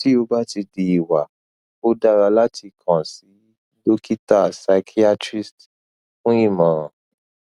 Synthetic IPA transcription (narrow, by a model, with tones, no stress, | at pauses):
ti˦o˧ba˦ti˧di˧i˨wa˨ | o˦da˦ɾa˧la˦tʰi˧kʰã˨si˨˦ | do˦ki˦ta˦˨sa˧kʰi˦a˦tɾi˦st | fũ˦i˦˨mã˨ɾã˨